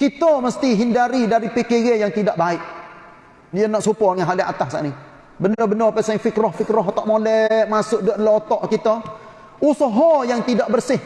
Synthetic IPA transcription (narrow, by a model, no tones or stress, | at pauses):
kit̪əməst̪iɦindaɾidaɾipekeɡejaŋt̪idaʔbaɪʔ | diənaʔsupɔŋaɦaliʔa̰t̪ahsa̰ʔni | bənəbənəpasaiŋfikɾɔhfikɾɔɦt̪aʔmolɛʔmasʊʔduəʔdlaot̪ɔʔkit̪o | usɔɦɔjaŋt̪idaʔbərsɪh